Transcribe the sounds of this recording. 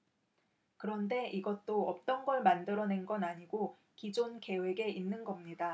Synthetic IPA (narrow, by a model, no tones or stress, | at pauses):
kɯɾʌnde̞ʔiɡʌt͈oʌp̚t͈ʌnɡʌɭmandɯɾʌne̞nɡʌnaɲiɡo | kid͡ʑonke̞we̞ɡe̞ʔinːɯnɡʌmɲida